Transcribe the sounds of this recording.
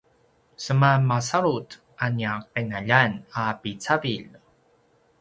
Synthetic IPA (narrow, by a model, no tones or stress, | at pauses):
səmamasaɾut | ʔanjaq̚enaʎanapit͡saviʎ